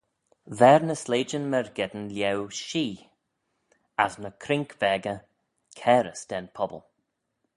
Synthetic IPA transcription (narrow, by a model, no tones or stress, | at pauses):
vɛːɹnəsleːd͡ʒənmɛɹɡɛd̪ənljɛwʃiː | asnəkʰɾɪŋkv̥ɛːɡə | kʰɛːɾəsd̥̪ɛnpʰɔbə̰lˠ